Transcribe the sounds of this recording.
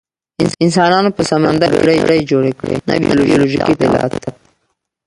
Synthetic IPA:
ɪnsɑnɑnopəsamand̪abɽajɽajd͡ʒoɽekɽḛna̰bḭjloʒoloʒikid̪alɑ̰t̪d̪a

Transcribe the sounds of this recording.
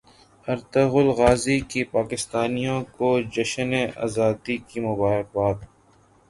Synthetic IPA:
ɐɾt̪əɣʊlɣaːzikipaːkɪst̪aːnijõkod͡ʒɐʃneʔa̰ːzaːd̪ikimʊbaːɦɪq̚baːt̪

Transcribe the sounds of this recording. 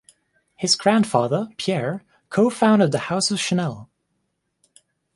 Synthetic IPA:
hɨzɡɹæ̃nd̥fɑðə˞pʰiɛɹ | kʰoʊfãʊ̃ndɨd̪̚ðɨhaʊsʌv̥ʃɨnɛlˠ

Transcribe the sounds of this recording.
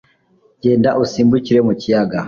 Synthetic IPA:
ɟendaʔusimbuciɾemucijaɡa

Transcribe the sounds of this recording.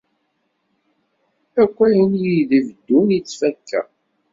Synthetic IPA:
ækʷːæjənjiðivəd̪ːunit͡sːfækːæ̰

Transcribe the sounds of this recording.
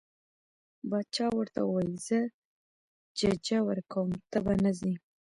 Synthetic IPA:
bɑd̪̚t͡ʃɑwəɾt̪a̰wwɑjizə | d͡ʒad͡ʒawəɾkawəmt̪əbanazi

